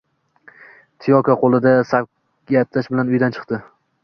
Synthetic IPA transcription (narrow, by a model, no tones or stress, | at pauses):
t̪ʰijɒkʰaqʰolˠɪd̪asa | at̪laʃbɪlanʊjd̪ant͡ʃʰɨ̥qt̪ɪ